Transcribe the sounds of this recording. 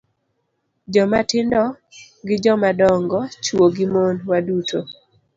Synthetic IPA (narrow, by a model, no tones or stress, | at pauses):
d͡ʒɔmatɪndɔ | ɡɪd͡ʒɔmadɔŋɡɔt͡ʃwoɡɪmonwadutʰo